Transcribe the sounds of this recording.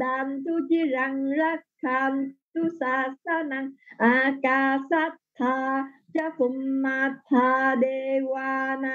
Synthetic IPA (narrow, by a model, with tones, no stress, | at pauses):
da˧mt̪u˦d͡ʒi˦ɾa˧ŋɾa˦kʰːamt̪u˦sasa˦na˧ŋʔaka˧sa˦t̪ʰːa | d͡ʒa˦fu˧mːat̪ʰadewana